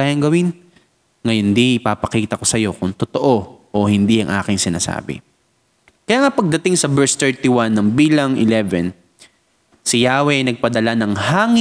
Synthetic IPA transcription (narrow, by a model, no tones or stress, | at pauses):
aːjɐŋɡɐwɪn | ŋɐjond̪iʔɪpaːpɐkiːt̪ɐko̞sɐjo̞kʊŋt̪ʊt̪oʔo̞ʔohɪnd̪iʔɐ̰ŋʔa̰ːkɪŋsɪna̰ːsa̰ːbɪ̰ | kɐjaːŋɐpɐɡ̚d̪ɐt̪ɪŋsɐbɛɹst̪ɛɹt̪iwanːɐŋbiːlɐŋʔɪ̰lɛvɛn | sɪjaːwɛʔɐjnɐɡ̚pɐd̪ɐlanɐŋhaːŋɪ